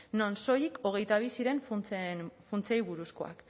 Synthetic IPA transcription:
nonso̞jiko̞ɣ̞e̞jt̪aβisiɾe̞nf | funt͡sejβuɾusko̞a̰k

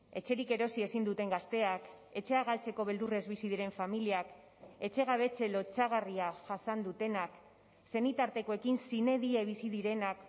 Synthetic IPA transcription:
e̞t͡ʃe̞ɾike̞ɾo̞sie̞sind̪ut̪e̞ŋɡast̪e̞ak | e̞t͡ʃe̞aɣalt͡se̞ko̞βe̞ld̪ure̞zβisið̞iɾe̞ɱfamiliak | e̞t͡ʃe̞ɣ̞aβe̞t͡se̞lo̞t͡ʃaɣ̞ariaʝasand̪ut̪e̞nak | se̞nit̪aɾt̪e̞ko̞e̞kinsine̞ðie̞β̞isiðiɾe̞nak

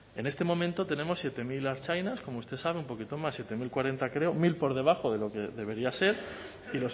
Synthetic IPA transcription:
e̞ne̞st̪e̞mõ̞mẽnt̪o̞t̪e̞ne̞mo̞sːje̞t̪e̞milaɾt͡ʃajnaskomoust̪e̞saβumpo̞kit̪o̞masje̞t̪e̞milkwaɾe̞nt̪akɾe̞omilpo̞ɾðe̞β̞axo̞ðe̞lo̞ke̞ðe̞βe̞ɾiase̞ɾ | ilo̞s

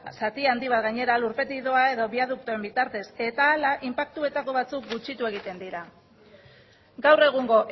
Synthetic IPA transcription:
sat̪iand̪iβ̞at̪ɡaɲe̞ɾaluɾpe̞t̪iðo̞ae̞ðo̞βiað̞uk̚t̪oe̞mbit̪aɾt̪e̞se̞t̪aːlaʔimpak̚t̪ue̞t̪ako̞β̞at͡suk̚ɡut͡ʃit̪ue̞ɣ̞it̪e̞nd̪iɾa | ɡawre̞ɣ̞uŋɡo̞ʔ

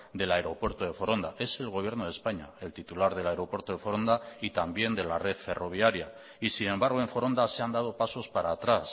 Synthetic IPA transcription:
d̪e̞laeɾo̞pwe̞ɾt̪oðe̞foɾo̞nd̪aʔe̞se̞lɣ̞o̞β̞je̞ɾnoðe̞spaɲa̰e̞lt̪it̪ulaɾð̞e̞laeɾo̞pwe̞ɾt̪oðe̞fo̞ɾo̞nd̪ait̪ambje̞nd̪e̞lare̞ðfe̞ro̞β̞jaɾja | isinẽ̞mbaɾɣ̞o̞e̞ɱfo̞ɾo̞nd̪ase̞and̪að̞o̞paso̞spaɾaːt̪ɾas

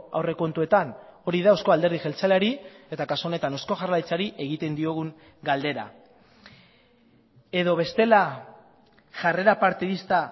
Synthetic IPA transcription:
a̰wre̞ko̞nt̪ue̞t̪ano̞ɾiðaosko̞ald̪eɾð̞ixe̞lt͡saleaɾie̞t̪akasuo̞ne̞t̪ano̞sko̞ʝarlat͡saɾiʔe̞ɣit̪e̞nd̪io̞ɣ̞uŋ | ɡald̪e̞ɾa̰ | e̞ðo̞β̞e̞st̪e̞la | ʝare̞ɾapaɾt̪iðist̪a

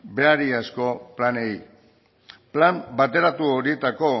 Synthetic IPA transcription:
be̞aɾiasko̞planej | plambat̪e̞ɾat̪uoɾit̪ako̞

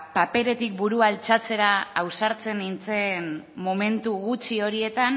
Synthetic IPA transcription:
pape̞ɾe̞t̪ik̚buɾualt͡sat͡se̞ɾaːwsaɾt͡se̞nːint͡se̞n | mome̞nt̪uɣut͡ʃio̞ɾie̞t̪an

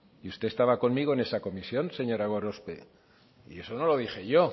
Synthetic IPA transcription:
iust̪e̞ːst̪aβako̞nmiɣ̞oe̞ne̞sako̞misjo̞nse̞ɲo̞ɾaɣ̞oɾo̞spḛ | ḭe̞so̞no̞lo̞ðixe̞ʝo̞

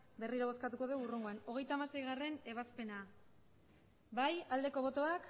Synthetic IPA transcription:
be̞riɾoβ̞o̞skat̪uko̞ðewuruŋɡoano̞ɣe̞jt̪aːmase̞jɣ̞are̞ne̞β̞aspe̞na | bajald̪e̞ko̞β̞o̞t̪o̞ak

